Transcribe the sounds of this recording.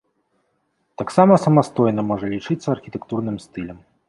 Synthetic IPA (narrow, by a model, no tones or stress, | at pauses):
t̪aksamɐsɐmast̪ɔjnɐmɔʐɐlʲit͡ʂɨt̪sːɐɐrxʲit̪ɛkt̪urnɨmst̪ɨlʲɐm